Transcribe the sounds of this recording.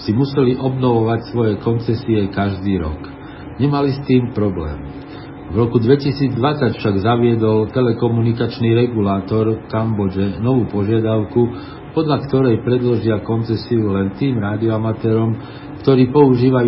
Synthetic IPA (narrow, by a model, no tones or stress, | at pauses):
simusɛliʔɔbnɔʋɔʋacsʋɔjɛkɔnt͡sɛsiɛkaʒd̪iːɾɔ̰k | ɲɛmalist̪iːmpɾɔblɛ̰ːm | vɾɔkud̪ʋɛcisiːd͡zd̪ʋat͡sacfʃaɡzaʋɪɛd̪ɔlt̪ɛlɛkɔmunikat͡ʃniːɾɛɡulaːt̪ɔɾkambɔd͡ʒɛnɔʋuːpɔʒɪad̪aʊku | pɔd̪ʎakt̪ɔɾɛjpɾɛd̪lɔʒɪakɔnt͡sɛsiulɛnt̪iːmɾaːd̪iɔamat̪ɛːɾɔm | kt̪ɔɾiːpɔuʒiːʋaj